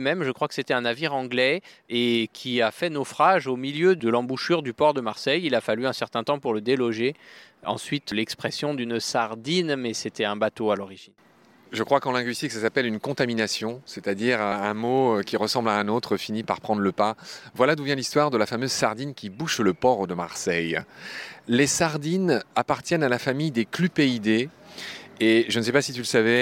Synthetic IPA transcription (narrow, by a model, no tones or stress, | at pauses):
mɛmʒəkχwakə̥set̪ɛɛ̃naviʁɑ̃ɡlɛekʲʰiafɛnɔfχaʒomiljød̪əlɑ̃buʃyʁd̪ypɔʁd̪əmaʁsɛjilafalyɛ̃sɛʁt̪ɛ̃t̪ɑ̃puʁləd̪elɔʒeɑ̰̃sɥit̪lɛkspχɛsjɔ̃d̪ynsaʁd̪inmɛset̪ɛɛ̃bat̪oalɔʁiʒin | ʒəkχwakɑ̃lɛ̃ɡɥist̪iksasapɛlynkɔ̃t̪aminasjɔ̃set̪ad̪iʁaɛ̃moøkʲiʁəsɑ̃blaɛ̃not̪χəfinipaʁpχɑ̃d̪ʁləpavwalad̪uvjɛ̃list̪waʁd̪əlafamøzsaʁd̪inkʲibuʃləpɔʁd̪əma̰ʁsɛj | lesaʁd̪inapaʁt̪jɛnalafamijd̪eklypeid̪eː | ʒənəsɛpasit̪yləsavɛ